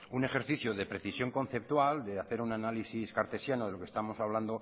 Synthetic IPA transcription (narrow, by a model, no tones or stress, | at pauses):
une̞χe̞ɾθiθjoðe̞pɾe̞θisjo̞ŋko̞n̟θe̞p̚t̪wald̪e̞aθeɾunanalisiskaɾt̪e̞sjanoðelo̞kest̪amo̞saβland̪o̞